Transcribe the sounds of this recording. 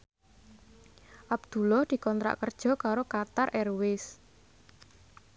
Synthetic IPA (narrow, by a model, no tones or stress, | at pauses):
ʔab̚d̪̥ṳlɔhd̪̥i̤kɔnt̪ɾa̰ʔkərd̥ʒ̥ɔ̤kaɾokat̪arʔɛrwɪs